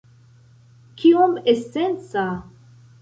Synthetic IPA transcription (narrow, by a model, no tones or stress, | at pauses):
kiomesent͡sa